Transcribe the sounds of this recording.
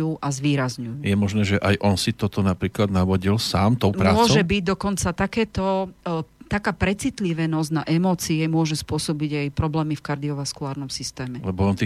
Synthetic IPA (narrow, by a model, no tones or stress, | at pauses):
uːʔazʋiːɾazɲujuːjɛmɔʒnɛːʒɛʔajʔɔnsit̪ɔt̪ɔnapɾiːklad̪naʋɔɟilsaːmt̪ɔʊmpɾaːmʊɔʒɛbiɟd̪ɔkɔnt͡sat̪akɛːt̪ɔ | t̪akaːpɾɛt͡sit̪liʋɛnɔzɟnaʔɛmɔːt͡siɛmʊɔʒɛspʊɔsɔbiɟajpɾɔblɛːmifkaɾd̪iɔʋaskulaːɾnɔmsist̪ɛːmɛlɛbɔɔnt̪i